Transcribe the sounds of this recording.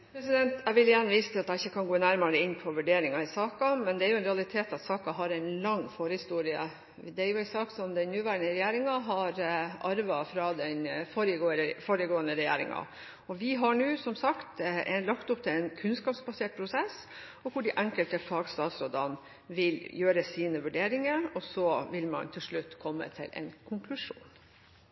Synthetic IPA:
pʰɾɛsɪd̪ɛnt̪ʰæʋɪlɪjænːʋiːsət̪ʰɪlɑt̪æɪçːəkʰɑnɡoːnæɾmɑɾəɪnːpʰɔʋʉɖeːɾɪŋɑɪsɑːkɑmɛnd̪ɛæɾjʊɛnɾɛɑlɪt̪ʰeːt̪ɑt̪sɑːkɑɦɑɾɛɪnlɑŋːfoːɾəhɪst̪uːɾɪə̰ | d̪ɛæɾjʊæɪnsɑːksɔmd̪ɛnnʉːʋæːɾəɳəɾɛjeːɾɪŋɑɦɑɾʔɑɾʋɑfɾɑd̪ɛnfɔɾəɡofoɾəɡoːənəɾɛjḛːɾɪ̰ŋɑ̰ | ɔʋɪɦɑɳʉːsɔmsɑkt̪nlɑkt̪ʊp̚ːt̪ʰɪlɛnkʰʉnskɑːpsbɑseːʈ̚pʰɾʊsɛs | ɔkʰʊɖɪʔæŋkəlt̪əfɑːɡst̪ɑːt̪sɾoːd̪ɑn | ʋɪljøːɾəsiːnəʋʉɖeːɾɪŋəɾɔsɔʋɪlmɑ̰nt̪ʰɪlʂɭʉt̪ːkʰɔmːə̰t̪ʰɪ̰lʔɛ̰nkʰʊŋkʰlʉʂṵːn

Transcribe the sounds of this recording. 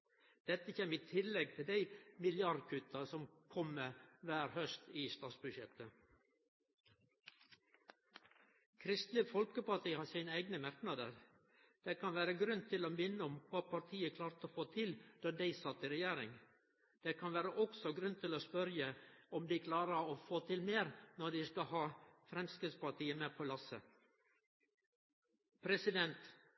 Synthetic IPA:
d̪̥ɛt̪ːəçeːmiːt̪ʰɪlːɛɡ̚t̪ʰɪld̪æɪmɪljɑɾd̪kʰʉt̪ɑsɔmkʰɔmːəʋæːɾhœst̪iːst̪ɑːt̪sbʉʃɛt̪ə | kʰɾɪst̪lɪfɔlkəpɑʈʰiːhɑːsæɪnəæɪɡnəmæɾknɑd̪ə̰ɾ | d̪̥ekʰɑnʋæːɾəɡɾʉnt̪ʰɪloːmɪnːəɔmkʰɑːpʰɑɾt̪ʰiːəkʰlɑːɾt̪əoːfoːt̪ʰɪld̪̥ɑːd̪æɪsɑt̪iɾɛjæːɾɪ̰ŋ | d̪̥eːkʰɑnʋæːɾəʔɔɡsɔɡɾʉnt̪ʰɪloːspœɾjəɔmd̪ɪkʰlɑːɾəɾoːfoːt̪ʰɪlmeːɾnɔɖ̪ɪskɑhɑːfɾɛmskɪd̪spɑʈiːəmeːpʰoːlɑsə̰ | pʰɾɛsɪd̪ɛnt̪

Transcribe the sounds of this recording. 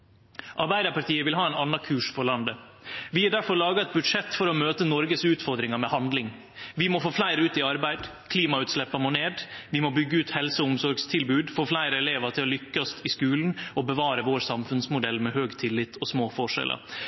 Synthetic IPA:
ʔɑɾbæɪd̪əɾpɑʈ̪iːəʋɪlɦɑːɛnɑnɑkʰʉːʂfɔɾɭɑnd̪əʋɪæɖæɾfɔɾɭɑːɡɑɛt̪̚bʉd̪ʂɛt̪ːfɔɾɔmøːt̪ənɔɾɡəsʉːt̪fɔɾd̪ɾɪŋɑmɛhɑnd̪lɪŋ | ʋɪmɔfoːflæɪɾəʉːt̪ɪɑɾbæɪd̪kʰliːmɑʉːt̪slɛpːɑmoːneːd̪ʋɪmɔbʏɡːəʉːt̪hɛlsəʊmsɔɾɡst̪ʰɪlbʉːd̪foːflæɪɾəɛleːʋɑt̪ʰɪlɔlʏkːɑst̪ʰɪskʉːln̩ɔbəʋɑːɾəʋoːɾsɑmfʉnsmʊd̪ɛlːmɛhøːɡt̪ʰɪlːɪt̪ʰːɔsmoːfɔʂɛ̰lʔə̰ɾ

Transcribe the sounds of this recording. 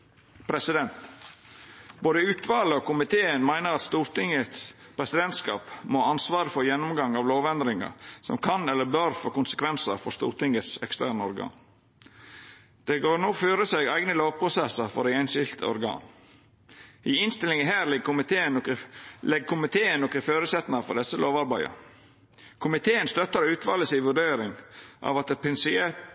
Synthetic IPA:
pʰɾɛsɪd̪ɛnt̪ | boːd̪əʉːt̪ʋɑːləɔkʊmɪt̪ʰeːənmæɪnəɾɑt̪st̪uːɾt̪ɪŋət̪s | pʰɾɛsɪd̪ɛnt̪skɑ̰ːpmɔhɑnsʋɑːɾəfoːjɛnːʊmɡɑŋɑʋloːʋɛnd̪ɾɪŋɑ̰sɔ̰mkʰɑnɛlːəbøɾfoːkʊnsə̥kʋɛnsəɾfɔɾst̪ṵːɾt̪ʰɪŋət̪sɛ̰kst̪ʰæːɳəɔɾɡɑ̰ːn | d̪̥ɛɡoːɾnoːføːɾəseːɡæɪɡnəloːʋpʰɾʊsɛsəɾfɔd̪ɛɪɛnʃɪlt̪ʰə̰ɔ̰ɾɡɑ̰ːn | iːɪnst̪ɪlɪŋəɦæːɾlɪəklɛɡkʰʊmɪt̪ʰeːənɔkɪføːɾʉsɛt̪nɑfɔ̰ɖ̪ɛsəlʔoːʋɑɾbæɪə̰ | kʰʊmɪt̪ʰeːənst̪œt̪ːəɾʉːt̪ʰʋɑːləsɪːʋʉɖeːɾɪŋʔɑ̰ʋɑt̪ɛpʰɪnsɪeː

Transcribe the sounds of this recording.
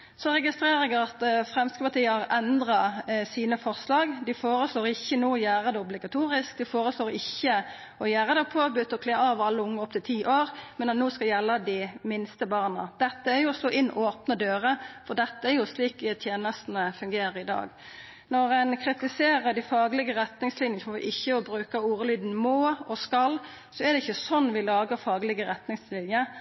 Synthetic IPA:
sɔɾɛɡɪst̪ɾeːʁəɡəɑt̪fʁɛmskəpɑʁt̪ʰiːəhɑʁɛnd̪ʁɑsiːnəfɔʁslɑːɡd̪ɪfoːʁəsloːɾɪçːənoːɔjæːʁəd̪ɛʊblɪɡɑt̪ʰuːɾɪsk̚d̪ɪfoːʁəsloːɾɪçːə | ɔjæːʁəd̪ɛpʰoːbʏt̪ːɔkleːɾɑːʋɑlːəʊŋːəɔpt̪ʰɪlt̪ʰiːʔoːʁmɛnɑt̪noːskɑljɛlːəd̪ɪmɪnst̪əbɑːʁnɑd̪̥ɛt̪ːəæʁjʊɔsloːʔɪnːoːpnəd̪øːʁəfɔʁd̪ɛt̪ːəæɾjʊsliːkt̪ʰjeːnəst̪ənəfʉŋɡeːɾəɾɪd̪ɑ̰ːɡ | nɔʁɛnkʰʁɪt̪ɪseːʁəd̪ɪfɑːɡlɪɡəɾɛt̪nɪŋslɪnjənsɔmɔʋɪ̰ʔɪçːəɔbɾʉːkɑuːʁəlyːd̪n̩moːɔskɑlː | sɔɛd̪ɛɪçːəsɔnːʋɪlɑːɡəfɑːɡlɪɡəɾɛt̪nɪŋslɪnjə

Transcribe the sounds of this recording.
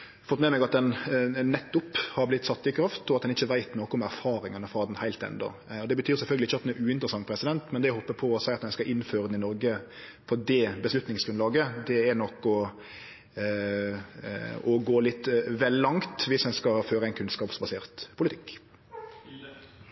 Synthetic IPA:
fɔt̪mɛːmɛɡɑt̪̚d̪ɛnːɛt̪ːʊphɑɾblɪt̪ːsɑt̪ːɪkʰɾɑft̪ɔɑt̪̚d̪ɛnɪçːəʋæɪt̪noːkʊmæɾfɑːɾɪŋɑnəfɑd̪n̩hæɪlt̪ɛ̰nd̪ɔ̰ | ɔd̪ɛbət̪ʰyːɾsɛlfœlɡlɪçːəɑt̪d̪ɛnɛɾʉːɪnt̪əɾəsɑŋːpʰɾɛsɪd̪ɛnt̪mɛnd̪ɛæɪhɔpːəpʰɔːsæɪɑt̪d̪ɛnskɑʔɪnføːɾəd̪n̩ɪnɔɾɡə | fɔɾd̪ɛbəslʉt̪nɪŋsɡɾʉnlɑːɡəd̪ɛæɾnɔkːɔ | ɔɡoːlɪt̪ːʋɛlːɑŋt̪ʋɪshɛnskɑføːɾəæɪnkʰʉnskɑːpsbɑseːɾt̪pʰʊlɪt̪ʰɪkː

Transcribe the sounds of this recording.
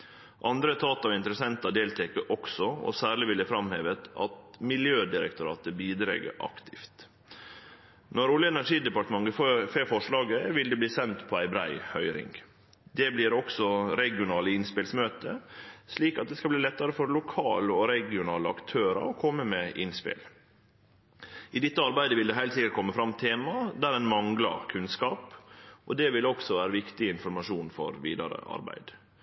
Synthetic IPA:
ʔɑnd̪ɾət̪ʰɑːt̪ɑɪnt̪əɾəsɛnt̪ɑd̪eːlt̪ʰɛkəʔɔksɔɔ̰sæːɾɭɪʋɪləfɾɑmhḛːʋət̪ɑ̰t̪mɪljøːd̪ɪɾə̰k̚t̪ʊɾɑ̰ːt̪əbiːd̪ɾḛːɡə̰ɾʔɑ̰kt̪ʰɪft̪ | nɔɾʊljəɛnæʂiːd̪ɛpɑʈ̪əmɑŋɡəfeːfɔʂɭɑːɡəʋɪld̪ɛbliːsɛnt̪pʰɔæɪbɾæ̰ɪhœʏɾɪ̰ŋɡ | d̪ɛbliːɾɔksɔɾɛɡɪʊnɑːləɪnspɪlsmøːt̪əsliːkɑt̪̚d̪ɛskɑbliːlɛt̪ːɑɾəfɔɾlʊkʰɑ̰ːləɔɾɛɡɪʊnɑːləɑ̰kt̪ʰøːɾɑ̰ɔkʰɔmːəmɛʔɪnspɪ̰l | ɪd̪ɛt̪ːəɑɾbæɪd̪əʋɪld̪ɛɦæɪlt̪sɪkːəʈ̚kʰɔmːəfɾɑmt̪ʰeːmɑd̪æɾɛnmɑŋlɑ̰ɾkʰʉnskɑːpʔɔd̪ɛʋɪlɔksɔʋæːɾəʋɪkt̪ɪəɪnfɔɾmɑʂuːnfɔ̰ɾʋḭːd̪ɑɾə̰ʔɑ̰ɾbæ̰ɪd̪̥

